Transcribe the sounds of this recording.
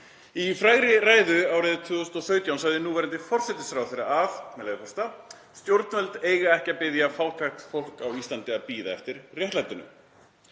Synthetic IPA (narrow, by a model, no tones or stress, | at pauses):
ifɾaːjɣɾɪraːjðʏawɾɪðt̪ʰʏːʏst̪ɔθœɥt̪jawnsajðɪnuːvɛɾɪnt̪ɪfɔr̥sɛt̪ɪsfɾawθejɾaavmɛlaɪpʰɔst̪a | st̪jowɾt̪nvɛlt̪eːjɣaɛhcapɪðjafawlkʰɾɛxt̪fowl̥kawist̪lant̪ɪapiːðaɛft̪ɪɾrjɛht̪lajt̪ʏnʏ̰m